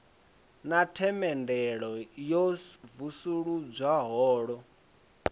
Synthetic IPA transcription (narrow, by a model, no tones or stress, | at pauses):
natʰɛmɛndɛɺɔjɔvusuɺud͡zwaɦɔːɺɔ